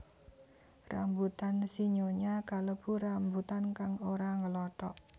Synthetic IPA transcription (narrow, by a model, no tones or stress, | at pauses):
ra̰mbut̪ansiɲoɲakaləb̥ṳɾambut̪ankaŋoɾaŋəlɔʈɔʔ